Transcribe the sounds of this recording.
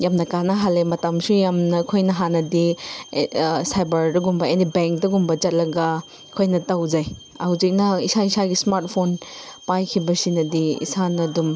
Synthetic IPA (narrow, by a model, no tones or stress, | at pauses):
jamnɐkanɐɦalemɐtɐmsujamnɐkʰojnɐɦanɐdi | sajbɐɾdɐɡumbɐenibeŋk̚dɐɡumbɐd͡ʒɐt̚lɐɡɐ | kʰojnɐtawd͡ʒaj | ɐwzik̚nɐisaisaɡismaɾt̚pʰonpajkʰibɐsinɐdiḭsanɐdum